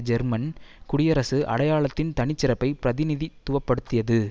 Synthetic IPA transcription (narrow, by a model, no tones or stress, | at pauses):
d͡ʒɛɾmɐnkʊɽɪjɐɾɐsɯʔɐ̰ɽɐjaːɭɐt̪ːɪnt̪ɐɳɪt͡ʃːɪɾɐpːɐɪpɪɾɐðɪnɪðit̪ːʊʋɐpːɐɽɯt̪ːɪjɐðɯ